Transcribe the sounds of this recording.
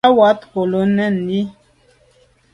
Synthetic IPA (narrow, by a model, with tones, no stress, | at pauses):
wa˨˦tko˨lo˨˦nɛ˦˨n̩ːi˦